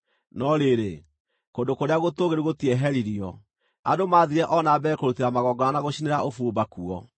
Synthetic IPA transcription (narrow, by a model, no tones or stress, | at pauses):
nɔɾeɾe | kondokoɾeaɣotoɣeɾiɣotiɛɦɛɾiɾiɔ | adomaðiɾɛʔɔnaːbɛkoɾuteɾamaɣɔɡɔnanaɣoɕineɾaofuːbakuɔ